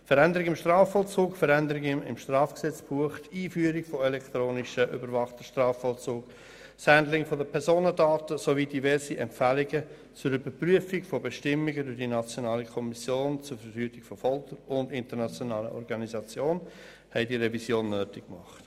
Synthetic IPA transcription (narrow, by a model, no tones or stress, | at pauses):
fəɾɛndəɾɪɡɪmʃtraːfɔlt͡suːkfəɾɛndəɾɪɡɪɪ̰mʃtraːfksɛt͡sb̥uəχtiːfyːəɾɪɡfoɛlɛkt̪ɾoːnɪʃəʔʏ̰bəɾvɑχt̪əʃtrɑːfɔlt͡suːk | shændlɪŋfodəpʰɛɾzoːnədaːtəsovidivɛɾsiʔɛmpfælɪɡə | t͡sʊɾybəɾpryəfɪɡfobɛʃtɪmːiɡədʏɾdinɑt͡sjonaːlikʰɔmisjoːnt͡sʊɾfəɾfyːtɪɡ̥fofɔltəɾʊndɪntəɾnɑt͡sjonɑːlə̰ʔɔ̰ɾɡɑnizɑt͡sjoːn | hɛɪdiːɾɛvisjoːnːøːtɪkkmɑ̰χt